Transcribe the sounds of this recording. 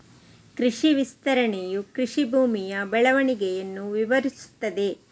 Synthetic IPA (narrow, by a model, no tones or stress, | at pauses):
kɾiʂiʋist̪ɐɾɐɳejukɾiʂibʱuːmijɐbɛɭɐʋɐɳiɡɛjɐnːuʋiʋɐɾisu̥t̪ːɐd̪e̞